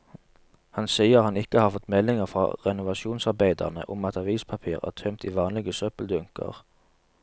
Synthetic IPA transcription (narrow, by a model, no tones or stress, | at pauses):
hɑnsiːəʁhɑnɪkəhɑːʁfɔt̪mɛlɪŋəʁfʁɑ̰ʁɛnʊʋɑʃuːnsɑʁbeɪd̪ə̰ʁnə̰ʔʊ̰mɑt̪ɑʋiːspʰɑpʰiːʁæ̰ːʁt̪ʰœmt̪ʰiːʋɑːnlɪɡəsœpəld̪ʉŋkə̰ʁ